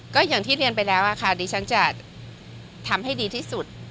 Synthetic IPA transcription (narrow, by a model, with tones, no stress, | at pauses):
kɔː˥˩jaː˨˩ŋt̪ʰiː˥˩ɾi˧ənpa˧jlɛː˦˥wʔa˨˩kʰa˥˩diː˧t͡ɕʰa˦˥nt͡ɕa˨˩ | t̪ʰa˧mha˥˩jdiː˧t̪ʰiː˥˩su˨˩t̪̚